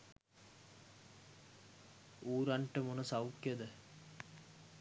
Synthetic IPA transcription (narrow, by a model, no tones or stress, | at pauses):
uːɾɐɳʈəmonəsawkjɐd̪ə